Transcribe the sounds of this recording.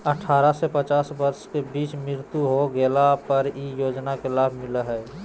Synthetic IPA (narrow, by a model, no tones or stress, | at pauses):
əʈʰaːɾasepət͡ʃaːsbəɾskebiːt͡ʃmɾɪɾt̪uɦoɡelapəɾijoːd͡ʒnakelaːbʱmɪləɦɛː